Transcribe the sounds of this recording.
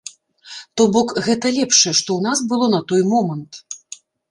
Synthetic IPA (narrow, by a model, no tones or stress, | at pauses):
t̪ɔbɔkɣɛt̪ɐlʲɛpʂɐjɛʂt̪ɔwnasbɨlˠɔnɐt̪ɔjmɔmɐnt̪